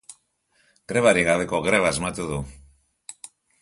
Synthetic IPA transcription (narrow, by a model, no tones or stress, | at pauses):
ɡ̥ɾe̞βaɾiɣaβe̞ko̞ɣɾe̞βazmat̪uðu